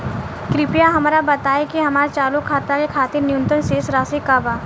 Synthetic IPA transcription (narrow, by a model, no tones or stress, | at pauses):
kɾɪpijaɦɐmːɾabɐt̪aːekiɦɐmaːɾt͡ʃaːlukʰːaːt̪akekʰaːt̪ɪɾnɪjʊ̃nt̪ənseːsɾaːsikaːbaː